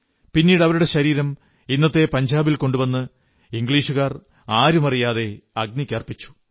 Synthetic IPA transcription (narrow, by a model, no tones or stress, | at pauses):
pinːiːɽɐʋɐɾuɽe̞ɕɐɾiːɾɐm | inːɐt̪ːe̞pɐɲd͡ʑaːbilko̞ɳɖuʋɐnːɨ | iŋɡɭiːʂuɣaːr | aːɾumɐrijaːðe̞ɐɡ̚nikʲːɐrpit͡ɕːu̥